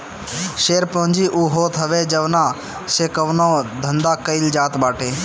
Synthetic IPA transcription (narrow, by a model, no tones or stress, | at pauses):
ʃeːɾpõɦɲd͡ʒiʔuːɦoːt̪ɦɐʋeːd͡ʒɐʋnaː | seːkəʋnõːd̪ʱɐ̃nd̪aːkəɪld͡ʒaːt̪baːʈʰeː